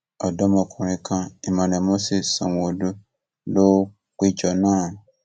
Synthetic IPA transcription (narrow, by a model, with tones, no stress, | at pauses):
ɔ˨dɔ˦mɔ̃˧˨kʰũ˨ɾ̃ĩ˧kʰã˧i˨mã˨nɛ̃˨mo˦se˦˨sã̰˨w̃ɔ̃˧o˨du˦ | lo˦ | k͡pe˦d͡ʒɔ˨nãː˦˨